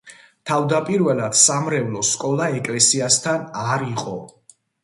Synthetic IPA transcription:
t̪ʰavd̪apʼiɾvɛlˠad̪̥samɾɛvlɔskʼɔlˠaɛkʼlɛsiast̪ʰanaɾiqʼɔ

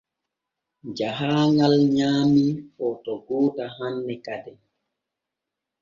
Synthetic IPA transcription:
d͡ʒaɦaːŋalɲaːmiɔtɔɡoːtaɦanːɛkadɛ

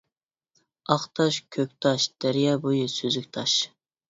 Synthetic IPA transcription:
ɑχt̪ʰɑʃkʲʰøkʲt̪ʰɑʃd̪̥æɾijɑbojʊsyzykʲt̪ʰɑʃ

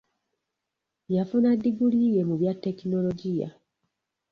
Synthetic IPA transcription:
jafunadːiɡulijemuβjatːe̞kinoloɟija̰

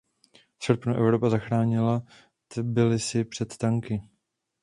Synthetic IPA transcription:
sr̩pnuʔɛvɾo̞pazaxɾaːɲɪla | t̪bɪlɪsɪpr̝̥ɛt̪t̪aŋkɪ

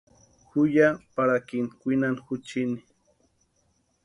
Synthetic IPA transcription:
xʊjapaɾakinkʷinanxʊt͡ʃini

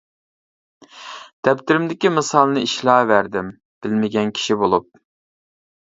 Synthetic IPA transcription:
d̪̥ɛpt̪ɪɾɪmd̪ɪkʲimɨsɑlˠnɨiʃlˠɑːvæɾd̪ɪm | b̥ɪlmɪɡʲɛnkʲʰi̥ʃibolˠup̚

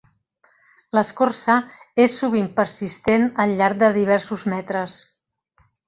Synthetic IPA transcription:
ləskorsəesːuβ̞impəɾsist̪enəlʎaɾk̚d̪əðiβ̞ɛɾsuzmɛt̪ɾəs

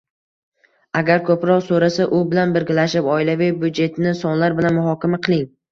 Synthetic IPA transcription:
aɡʲaɾkʰɵpɾɒqsoɾasaʔʊbɪlanbɪɾɡʲɪlaʃɪpɒɪlavɪjbud̪d͡ʒe̞t̪ʰɪnɪsɒnlaɾbɪlanmʊɦɒkʲamaqʰɨlˠɪŋ

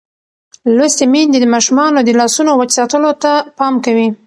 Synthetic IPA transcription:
lost̪emind̪ed̪əmɑʃumɑnod̪əlɑsunowət͡ʃsɑt̪əlot̪apɑmkawi

